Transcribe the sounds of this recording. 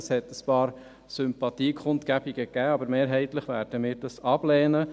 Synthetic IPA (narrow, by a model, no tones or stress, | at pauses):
shɛtəspɑːɾ | sʏmpɑt̪iːkʰχʊntkæbiɡ̥əɡæːɑbəɾmeːɾɦɛɪt̪ləχʋæɾd̥əmɪːɾdɑsɑb̥lɛːnə